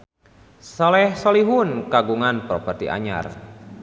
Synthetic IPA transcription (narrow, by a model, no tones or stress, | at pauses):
sɔlɛhsoliɦunkaɡuŋanpɾopərt̪iʔa̰ɲa̰r